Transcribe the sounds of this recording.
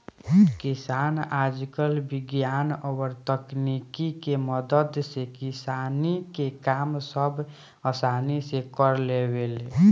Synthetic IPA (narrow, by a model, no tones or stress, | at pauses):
kisanad͡ʒkəlbiɡjanəɡəɾt̪əknikikeməd̪əd̪sekisanikekamsəbʱ | əsanisekəɾlebele